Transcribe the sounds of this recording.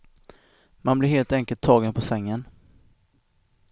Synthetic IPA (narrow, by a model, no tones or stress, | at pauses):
manblɪɾɦeːlt̪ɛŋkəlt̪ʰːɑːɡənpʰɔsɛŋːən